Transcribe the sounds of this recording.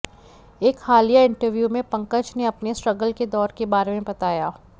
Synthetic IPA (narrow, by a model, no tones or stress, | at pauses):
eːkxaːlijaɪ̃ɳʈəɾʋjumẽpɐ̃ŋkət͡ʃneɐpnesʈɾɐɡəlked̪ɔːɾkebaːɾemẽbɐt̪aːjaː